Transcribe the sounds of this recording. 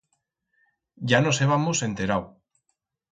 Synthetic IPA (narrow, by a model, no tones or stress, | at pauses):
ɟ͡ʝanoseβ̞amusent̪eɾaw